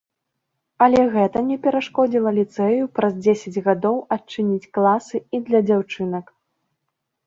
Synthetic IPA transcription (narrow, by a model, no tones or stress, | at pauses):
ɐlʲɛɣɛt̪ɐnʲɛpʲɛɾaʂkɔd͡zʲilˠɐlʲit̪sɛjupɾɐzd͡zʲesʲɐd͡zʲɣad̪ɔwɐt͡ʂɨnʲit͡sʲklˠasɨid̪lʲɐd͡zʲawt͡ʂɨnɐk